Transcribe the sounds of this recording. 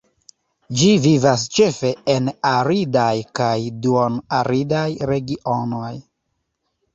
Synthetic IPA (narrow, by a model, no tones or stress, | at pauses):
d͡ʒivivas̬t͡ʃe̞fe̞enaɾidajkajduonaɾidajɾe̞ɡiʔonoj